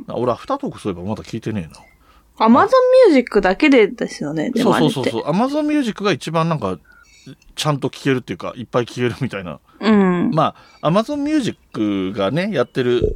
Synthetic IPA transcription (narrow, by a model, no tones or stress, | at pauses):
na̰o̞ɾeaɸɯ̟̥t̪at̪o̞kɯ̟̥soe̞bamad̪akʲiːt̪e̞ne̞̰ːna | amazõ̞mːʲjɨːʑikːɯ̟d̪ake̞d̪e̞d̪esɨjone̞̰d̪eoːso̞ːsoːsoːʔamazõ̞mmʲjɨːʑikːɯ̟ɡait͡ɕibãnnãŋka | t͡ɕãnt̪o̞kʲi̥ke̞ɾɯ̟t̪ːejɯ̟ka̰ʔipːaikʲi̥ke̞ɾɯ̟mʲit̪aina̰ | ɯ̟̃ɴmaː | amazõ̞mːʲjɨːʑikːɯ̟ɡane̞jat̪ːe̞ɾɯ̟